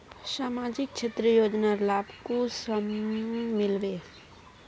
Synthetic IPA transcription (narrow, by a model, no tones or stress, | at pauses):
saːmaːd͡ʒɪk̚t͡ʃʰet̪ɾəjoːd͡ʒnaɾlaːbkosəmmɪlʋeː